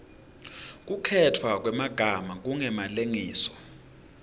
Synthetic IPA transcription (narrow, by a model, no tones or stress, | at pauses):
k̬ukʰɛtʰwak̬ʼwɛmaɡ̥ʱamak̬uŋɛmaleŋiːsɔ̥